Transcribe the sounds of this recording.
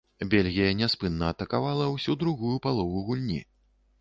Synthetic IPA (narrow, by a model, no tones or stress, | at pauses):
bʲelʲɣʲijɐnʲɛspɨnːɐːt̪ɐkavalˠɐwsʲud̪ɾuɣujupalˠɔvuɣulʲnʲḭ